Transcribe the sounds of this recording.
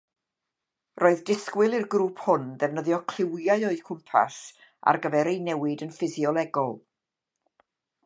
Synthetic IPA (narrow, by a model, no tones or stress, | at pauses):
rʔoːɨðdɪskwɪlˠirɡruːpʰhʊnðɛvnəðjɔkʰl̥ɪwjaɨɔɨkʰʊmpʰa̰s | a̰rɡəvɛɾejnɛwɪdənfɪziɔlˠɛɡɔlˠ